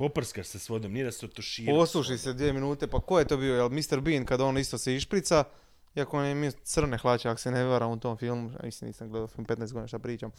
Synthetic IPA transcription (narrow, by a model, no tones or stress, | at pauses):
popr̩skasesʋod̪omnijed̪ast̪ot̪oʃiːpɾoslˠuʃised̪ʋieminuːt̪e̞pakojet̪o̞ːbijo̞jelmist̪eɾbiːnkad̪aoːnist̪o̞seiʃpɾit̪sa | iakoonemit̪sr̩nexlˠat͡ɕeakoseneʋaɾamut̪oːmfilˠmua̰mḭslimnḭːsamɡle̞d̪alfilmpe̞t̪naeɡoinaʃt̪apɾiːt͡ɕam